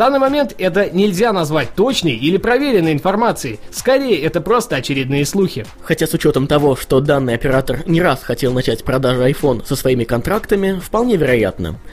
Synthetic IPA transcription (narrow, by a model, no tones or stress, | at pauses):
d̪anːɨjmɐmʲe̞nt̪ɛt̪ənʲɪlʲzʲanɐzvat̚ʲt̪o̞t͡ɕnəjilʲɪpɾɐvʲeɾʲɪnːəjɪnfɐrmat̪sɨɪskɐɾʲejəɛt̪əpɾo̞st̪əɐt͡ɕɪɾʲɪd̪nɨjəslˠuxʲɪ | xɐtʲasʊt͡ɕo̞t̪əmt̪ɐvo̞ʂt̪o̞d̪anːɨjɐpʲɪɾat̪ərnʲɪɾasxɐtʲelˠnɐt͡ɕætʲpɾɐd̪aʐɨɐjfo̞nsəsvɐimʲɪkɐnt̪ɾakt̪əmʲɪfpɐlˠnʲevʲɪɾɐja̰t̪nə̰